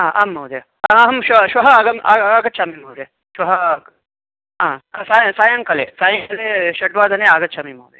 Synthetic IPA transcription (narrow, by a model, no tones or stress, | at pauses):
ãːʔɐmːɐwd̪e | ɐɐɦɐmʃɐʃwɐɦɐaːɡɐmaaːɡɐt̪̚ʃʰaːmimɐwd̪eː | ʃwɐɦɐ | ɦãːsaːjɐsaːjɐŋkɐlḛːsaːjɐŋkɐleːʃɐʈʋaːd̪ʱɐneaːɡɐt̪t͡ʃʰaːmimɐːd̪ḛ